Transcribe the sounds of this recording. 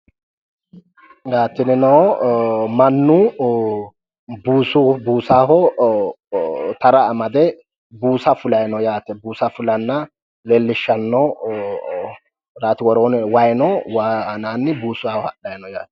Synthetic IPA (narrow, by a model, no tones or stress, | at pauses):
jaːt̪ːɪnɪnɔ | mɐnːʊ | buːsʊbuːsaːɦɔ | t̪ɐɾɐːmɐd̪ɛ | buːsɐfʊlɐjnɔjaːt̪ɛbuːsɐfʊlɐnːɐ | leːlːɪʃːɐnːɔ | ɾaːt̪ɪwɔɾoːnwɐjnɔwanaːnːɪbuːsʊaːhɔhɐ̰ɗɐjnɔja̰ːt̪ɛ̥